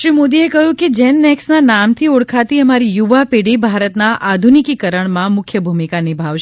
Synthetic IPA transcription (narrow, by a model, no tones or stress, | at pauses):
ʃɾimod̪iekəɦjũked͡ʒɛnːɛksnanamt̪ʰiʊɽkʰat̪iəmaɾijuʋapeɽibʱaɾət̪naʔad̪ʱunikikəɾəɳ̃mãmʊkʰjəbʱumikanibʱaʋʃ